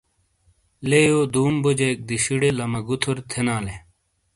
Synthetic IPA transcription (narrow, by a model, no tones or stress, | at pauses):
lejoːd̪uːmbod͡ʑek̚d̪iɕiɽelɐmɐɡut̪ʰoɾt̪ʰenaːle